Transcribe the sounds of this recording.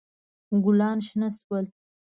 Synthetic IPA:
ɡulɑnʃnaswəl

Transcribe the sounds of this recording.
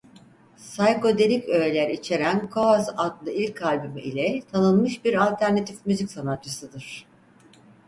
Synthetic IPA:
sajko̞d̪e̞lʲicøelʲæɾit͡ʃʰe̞ɾænkʰoazat̪lˠɯilʲcʰalʲbymiilʲɛt̪ʰanɯnˠmɯʃbiɾalʲt̪ʰæɾnat̪ʰifmyzikʲsanat̪̚t͡ʃʰɯsɯd̪ɯɾ̥

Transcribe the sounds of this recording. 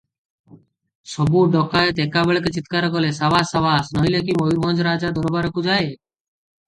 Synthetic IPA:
sɔbuːɖɔkajet̪ekabeɭket͡ʃit̪kaːɾɔkɔlesaʋasaʋasnɔɦilekimoimɔnd͡ʒɾaːd͡ʒad̪ɔɾbaɾɔkud͡ʒaːe

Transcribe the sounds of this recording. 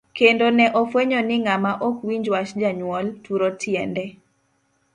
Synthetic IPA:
kendonɛʔɔfwɛɲɔnɪŋamaʔɔkwiɲd͡ʒwaʃd͡ʒaɲwɔltuɾɔtʰjɛndɛ

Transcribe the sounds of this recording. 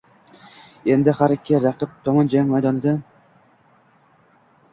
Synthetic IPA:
e̞nd̪ɪhaɾɪkʲʰːɪɾaqɨp̚t̪ʰɒmɒnd͡ʒaŋmajd̪ɒnɪd̪a

